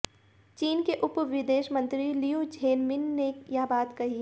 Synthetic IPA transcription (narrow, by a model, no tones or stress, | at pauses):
t͡ʃiːnkeʔʊpʋɪd̪eːʃmə̃nt̪ɾilijud͡ʒʱeːnmɪnːejaːbaːt̪kɐɦi